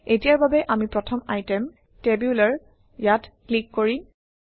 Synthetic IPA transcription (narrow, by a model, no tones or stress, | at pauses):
etijaɹbabɛʔamipɹɔtʰɔmajtɛm | tebjulaɹ | jatklikːoɹi